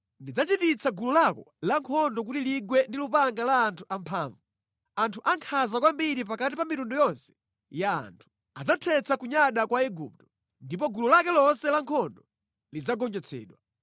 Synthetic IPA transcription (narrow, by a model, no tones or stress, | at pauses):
ndid͡zat͡ʃitit͡sʰaɡululakɔlaŋkʰɔndɔk̬utiliɡwɛndilupaŋɡalaːntʰuʔampʰaːɱvu | antʰuʔaŋkʰazakwambiɾip̬akatipamitundujɔnsɛ̥ | ja̰ːntʰu̥ | ad͡zatʰɛt͡sʰakuɲaɗakwaiɡup̚tɔ̥ | ndip̬ɔɡululakɛlɔnsɛlaŋkʰɔndɔ | lid͡zaɡɔnd͡ʒɛt͡sʰɛ̰ːɗwa